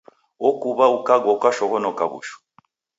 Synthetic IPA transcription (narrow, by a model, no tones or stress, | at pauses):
ɔkuβaukaɡɔkaʃɔɣɔnɔkaβṵʃɔ̥